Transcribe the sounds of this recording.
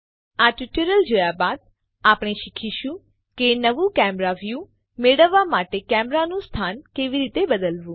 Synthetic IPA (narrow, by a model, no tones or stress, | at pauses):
aʈiʈəɾəld͡ʒojabad̪̚ | apɽ̃eʃikʰiʃũ | kenəʋũkɛmɾaʋjũ | meɽəʋːamaʈekɛmɾanũst̪ʰankeʋiɾit̪ebəd̪əlʋũ